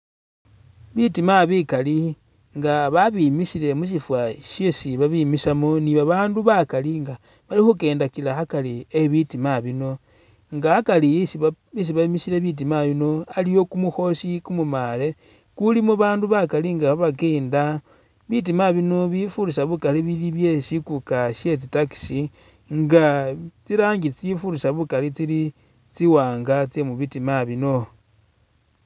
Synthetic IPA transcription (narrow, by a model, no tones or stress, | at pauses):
βitimaβikali | ŋɡaβaβimisile̞mus̬ifwaʃisiβaβimisamoniβaβaːnduβakaliŋɡa | βalixuke̞ːndakilaxakalieβitimaβino̞ | ŋɡahakalisβis̬iβamisile̞βit̬imaβino̞alijo̞kumuxo̞sikumumale̞ | kulimuβaːnduβakaliŋɡaβaβakeːnda | βit̬imaβino̞βifuɾisaβukaliβiliβje̞sikukaʃe̞t͡sitaki̥si | ŋɡat͡siɾaːŋɡit͡sifuɾisaβukalit͡sili | t͡siwaːŋɡat͡semuβitimaβino̞